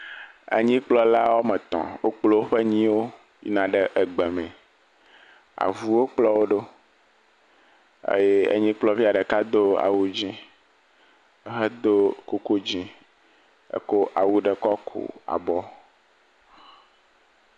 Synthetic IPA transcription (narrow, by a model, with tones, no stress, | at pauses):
ḛ˦ɲĩ˦k͡plɔ˦la˦wo˦mɛ̃˨t̪ɔ̰̃˨wo̰˦k͡plo˦wo˦ɸe˦ɲĩ˦wo˦ | jḭ˦nã˨ɖɛ˦ʔə˨ɡ͡bɛ˨mɛ̃˨ | a̰˨vu˦wo˦k͡plɔ˦wo˦ɖo˦ | ḛ˦je˦ḛ˦ɲĩ˦k͡plɔ˦vi˦a˨ɖɛ˨ka˦d̪o˦a̰˨wu˦d͡ʑĩ˦ | ə˦ɦe˦d̪o˦ko˨ko˦d͡ʑĩ˦ | ḛ˨ko˦ʔa˨wu˦ɖɛ˦kɔ˦kʰo̰˨a̰˨bɔ˦